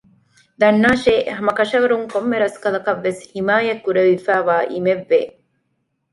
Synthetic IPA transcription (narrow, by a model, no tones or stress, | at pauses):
d̪ɐnːaːʃeːɦɐmɐkɐʃɐʋɐɾuŋkomːeɾɐskɐlɐkɐʋːeshimaːjɐkːuɾeʋifæːʋaːʔimeʋːeː